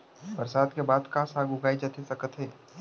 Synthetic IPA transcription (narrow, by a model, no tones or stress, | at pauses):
bəɾsaːd̪kebaːd̪kasaːɡʱʊɡaːid͡ʒat̪esɐkət̪ɦɛː